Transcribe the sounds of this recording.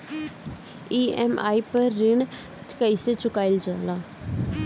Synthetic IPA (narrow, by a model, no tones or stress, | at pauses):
iːɛːma̰ːipəɾːɪɳ | t͡ʃkəiset͡ʃʊkaːɪld͡ʒaːlaː